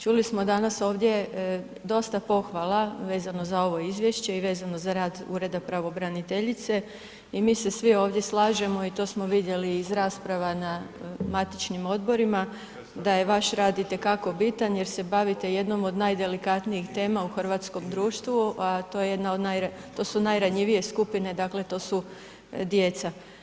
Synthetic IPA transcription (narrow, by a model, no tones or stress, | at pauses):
t͡ʃulismo̞d̪anaso̞ːʋd̪je̞ | d̪o̞st̪apo̞xʋalˠaʋe̞ːzano̞zao̞ʋo̞izʋje̞ʃt͡ɕe̞iʋe̞ːzano̞zaɾaːd̪ṵɾe̞d̪apɾaʋo̞bɾanit̪e̞ʎit̪se̞ | imiːse̞sʋio̞ːʋd̪ʲje̞slˠaːʒe̞mo̞it̪o̞ːsmo̞ʋid̪je̞liːzɾaːspɾaʋanamat̪it͡ʃnimo̞d̪bo̞ɾima | d̪aje̞ʋaʃɾaːd̪it̪e̞kako̞bit̪anje̞ɾse̞baʋit̪e̞je̞d̪no̞mo̞d̪najd̪e̞likat̪nijixt̪e̞ːmauxr̩ʋat̪sko̞md̪ɾuːʃt̪ʋuʔat̪ojeje̞d̪naod̪najɾat̪o̞ːsunajɾaɲiʋije̞skupine̞d̪akle̞t̪o̞ːsu | d̪je̞t̪sa